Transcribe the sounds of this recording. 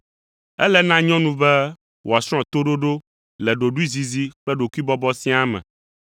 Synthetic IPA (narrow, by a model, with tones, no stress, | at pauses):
ɛ̰˦lɛ˦nã˦ɲɔ̃˦nũ˨bɛ˦ | wʔo˨a˨sɾ̃ɔ̃˨t̪o˦ɖo˦ɖo˦ | lɛ˨ɖo˨ɖu˦i˦zi˨zi˦k͡pɛ˦ɖo˨ku˦i˦bɔ˦bɔ˦sĩ˦a˦mɛ̰̃˨